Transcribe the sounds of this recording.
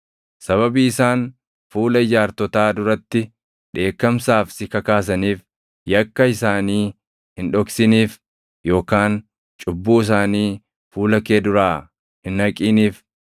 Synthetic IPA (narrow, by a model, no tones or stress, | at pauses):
sɐβɐbiːɪsaːn | fuːlɐɪd͡ʒaːɾt̪ɔt̪aːd̪ʊɾɐt̪ːɪ | ᶑe̞ːkːɐmsaːfsɪkɐkaːs̬ɐniːf | jɐkːɐɪsaːniː | hɪnᶑɔksɪniːf | jo̞ːkaːn | t͡ʃʼʊbːuːɪs̬aːniː | fuːlɐke̞ːd̪ʊɾaː | hɪnɐkʼiːniːf